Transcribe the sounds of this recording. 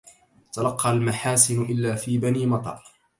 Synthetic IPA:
t̪alɑqːɑlmaħaːsɪnʔɪlːaːfiːbaniːmɑt̪ˤɑ̰ːɾˤ

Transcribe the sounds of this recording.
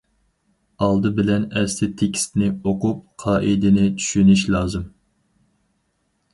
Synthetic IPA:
ɑlˠd̪ɨbɪlɛnɛslɪt̪ʰekʲʰi̥st̪nɪoqup̚qʰɑːʔid̪ɪnɪt͡ʃʰy̥ʃynyʃlˠɑːzɨm

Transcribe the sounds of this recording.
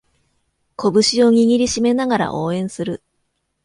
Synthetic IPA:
kʰo̞bɯ̟ɕio̞ɲ̟ʲiɡʲiɾʲiɕime̞naɡaɾa̰ʔo̞ːẽ̞ɰ̃sɨɾɯ̟

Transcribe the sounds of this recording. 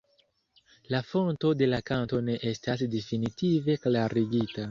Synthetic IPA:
lafo̞nto̞de̞lakanto̞ne̞ʔe̞stasdefinitive̞klaɾiɡita

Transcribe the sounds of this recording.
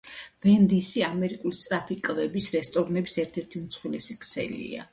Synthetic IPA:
vɛnd̪isiamɛɾikʼulist̪ʼɾapʰikʼvɛbisɾɛst̪ʼɔɾnɛbisɛɾt̪ʰɛɾt̪ʰimt̪sʰχwilɛsikʼʰsʰɛ̰lḭa̰

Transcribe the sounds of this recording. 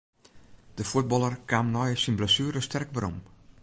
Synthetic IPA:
d̥əfuət̚bɔlˠərkaːmnɔjsinbləsyːɾəstɛrkʋəɾo̰m

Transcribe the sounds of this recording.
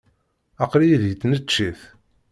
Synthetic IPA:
ɑqɾijiðjət͡s̪ːnət͡ʃːiθ

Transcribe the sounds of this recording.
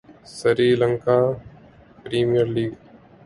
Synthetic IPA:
səɾiːləŋkaː | pɾiːmijəɾliːɡ

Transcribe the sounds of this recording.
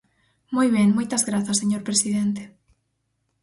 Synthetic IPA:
mojβ̞eŋmojt̪ɐzɣɾaθɐseɲoɾpɾesiðent̪e̥

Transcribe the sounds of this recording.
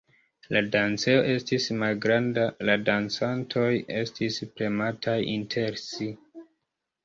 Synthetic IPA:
ladant͡se̞o̞ʔe̞stismalɡɾandaladant͡santʰo̞je̞stʰispɾe̞matʰajintʰe̞ɾsi

